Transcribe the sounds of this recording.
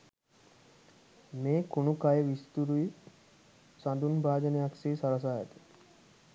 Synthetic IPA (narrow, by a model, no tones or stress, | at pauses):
meːkonukajəʋist̪uɾui | sand̪unbaːd͡ʒənejaksiːsaɾas̬aːja̰t̪i̥